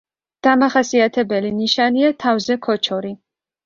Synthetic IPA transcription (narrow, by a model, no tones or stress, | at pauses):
d̪̥amaχasiat̪ʰɛbɛliniʃaniat̪ʰavzɛkʰɔt͡ʃʰɔɾi